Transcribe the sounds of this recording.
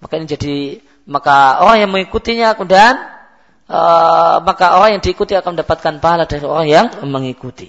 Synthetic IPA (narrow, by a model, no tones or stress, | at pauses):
makainid͡ʒadi | makaoɾaŋjaŋməŋikut̪iɲakəmudan | əmakaoɾaŋjaŋdiːkut̪iakanməndapat̪̚kanpaɦaladaɾioɾaŋjaŋməŋikut̪i